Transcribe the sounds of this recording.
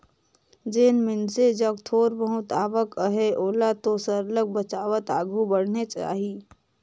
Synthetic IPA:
d͡ʒeːnmɪnsed͡ʒək̚t̪ʰoːɾbəɦʊt̪aːʋəkəɦeʔoːlat̪osəɾlək̚bət͡ʃaːʋət̪aːɡʱubəɽ̤net͡ʃa̰ːɦiː

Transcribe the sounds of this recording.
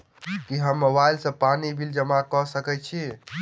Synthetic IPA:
kiɦəmːobailsə̃panibʱild͡ʒəmakɔsəkɛt͡ʃʰi

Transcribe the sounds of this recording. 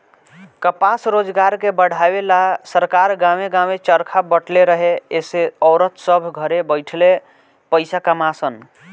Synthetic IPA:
kəpasɾod͡ʒɡaɾkebəɽ̤ʱabelasəɾkaɾɡãmeɡãmet͡ʃəɾkʰabəʈleɾəɦeeseɔːɾət̪səbʱɡʱəɾebəɪʈʰle | pəɪsakəmasən

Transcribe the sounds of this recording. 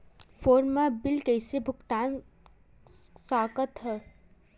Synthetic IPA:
foːɾmabɪlkejsebʱʊkt̪aːn | saːkət̪ɦɛ

